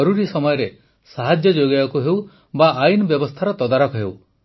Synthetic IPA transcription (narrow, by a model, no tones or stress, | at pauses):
ɔɾuɾisɔmɔjɔɾe | saɦad͡ʒjɔd͡ʒoɡajɔkuɦew | baʔajnɔbjɔbɔst̪ʰaɾɔt̪ɔd̪aɾɔkɔɦew